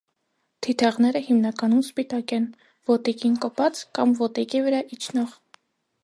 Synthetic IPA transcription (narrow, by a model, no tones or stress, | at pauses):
t̪ʰit̪ʰɑʁnɛɾəhimnɑkɑnumspit̪ɑkɛn | vɔt̪ikinkɔpɑt͡skɑmvɔt̪ikivəɾɑʔit͡ʃʰnɔʁ